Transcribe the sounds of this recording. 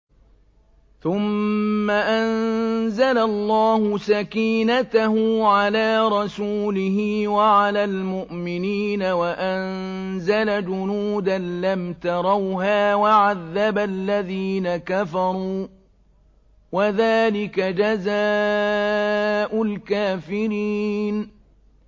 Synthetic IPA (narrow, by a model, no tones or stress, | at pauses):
θʊmːaʔanzalalˤːɑːhʊsakiːnat̪aɦʊʕalaːɾˤɑsuːlɪɦɪwaʕalaːlmʊʔmɪniːnawaʔan | zalad͡ʒʊnuːd̪anlamt̪ɑɾˤɑwɦaːwaʕaðːabalːaðiːnakafɑɾˤuː | waðaːlɪkad͡ʒazaː | ʔʊlkaːfɪɾiːn